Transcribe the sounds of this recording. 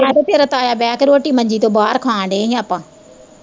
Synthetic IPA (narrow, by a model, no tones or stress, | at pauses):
ãːt̪opeːɾət̪aːjaːbɛːkɾoːʈiːmə̃ɲd͡ʒiːt̪oːbaːɾkʰãːɳɖeːɦĩəpãː